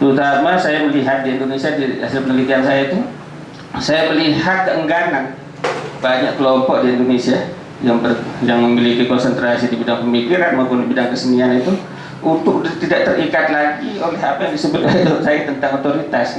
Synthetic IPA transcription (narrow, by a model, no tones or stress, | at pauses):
t̪əɾut̪amasajaməliɦat̪̚diindonesiadia̰salpənəlik̪iansajait̪u | sajaməlihat̪̚kəʔəŋɡanan | baɲaʔkəlɔmpɔk̚diindonesia | jaŋbəjaŋməmilikikɔnsənt̪ɾasidibidaŋpəmikiɾanmawpʊndibidaŋkəsənianit̪u | unt̪ʊk̚t̪idaʔ̚t̪ərʔikat̪laɡiolɛɦapajaŋdisəbʊt̪̚olɛt̪ot̪̚sajat̪ənt̪aŋot̪oɾit̪as